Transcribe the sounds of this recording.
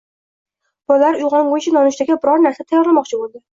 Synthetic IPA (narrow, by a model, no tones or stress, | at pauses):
b̥ɒllaɾʊjʁɒŋʁojt͡ʃʰɪnɒnʊʃd̪aɡʲabɪɾɒɾnaɾsat̪ʰajɒɾlamɒqt͡ʃʰɪbolˠd̪ɪ